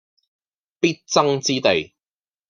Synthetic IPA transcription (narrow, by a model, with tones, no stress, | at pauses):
piː˥t̚t͡sɐ˥ŋt͡siː˥t̪e˨j